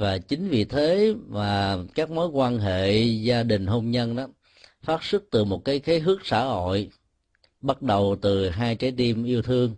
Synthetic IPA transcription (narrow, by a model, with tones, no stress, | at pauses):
vaː˨˩t͡ɕï˨˦ŋ̟vḭ˨t̪ʰe˨˦maː˨˩kaː˦˥k̚mo˨˦jkwaː˧nɦḛ˧˨zaː˧ɗï˨˩ŋ̟ɦo˧mɲə˧nʔaː˨˦ | faː˦˥t̚sɨ˦˥k̚t̪ɨ˨˩mo˨˩t̚kaː˨˦jxe˨˦jɦɨ˦˥ək̚sa̰ː˧˩ho̰˧˨j | ɓa˦˥t̚ɗə˨˩wt̪ɨ˨˩ɦaː˧jt͡ɕa˨˦jt̪i˧mʔi˧əwt̪ʰɨ˧əŋ